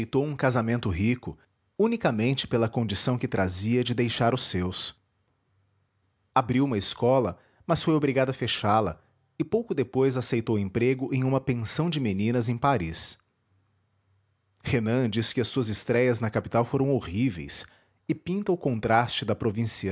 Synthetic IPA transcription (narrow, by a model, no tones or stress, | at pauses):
jt̪owũkazamẽnt̪ʊɦikʊ | unikɐmẽnt͡ʃɪ̥pelɐkõnd͡ʒisɐ̃w̃kɪt̪ɾʔaziɐd͡ʒɪd̪ejʃaɾʊsːews | abɾiwũmɐɪskɔlɐ | mɐsfojobɾiɡad̪ʊɐfeʃalɐ̰ | ɪpowkʊd̪epojzasejt̪owẽmpɾeɡʊʔẽj̃ũmɐpẽsɐ̃w̃d͡ʒɪmenĩnɐzẽj̃paɾis | henɐ̃d͡ʒisɪ̥kɪɐsːuɐzɪst̪ɾɛjɐznɐkapit̪awfoɾɐ̃w̃oʁivḛjs | ɪpĩnt̪ɐʊkõnt̪ɾast͡ʃɪd̪ɐpɾovĩsiɐ